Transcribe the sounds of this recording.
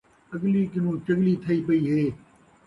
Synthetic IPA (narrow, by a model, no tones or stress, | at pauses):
əɡliːkɪnũːt͡ʃəɡliːt̪ʰɐiːpəiːɦeː